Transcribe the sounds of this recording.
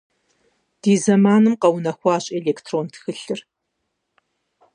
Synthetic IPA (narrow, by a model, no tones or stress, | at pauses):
d̥iːzɐmaːnɨmqɐwnɐxʷɑːɕʼeːleːktʰroːntʰxɨɬɨr